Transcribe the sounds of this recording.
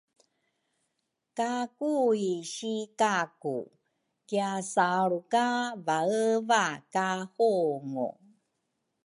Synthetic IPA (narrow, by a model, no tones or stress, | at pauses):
kakuiɕikakṵ | kiasaɭukavaəvakahuŋṵ